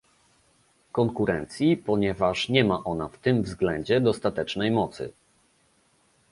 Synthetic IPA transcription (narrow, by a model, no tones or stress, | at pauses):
kɔŋkuɾɛnt̪sʲjipɔɲɛvaʂɲɛmaʔɔn̪aft̪ɘmvzɡlɛɲd͡ʑɛd̪ɔst̪at̪ɛt͡ʂnɛjmɔt̪sɘ̰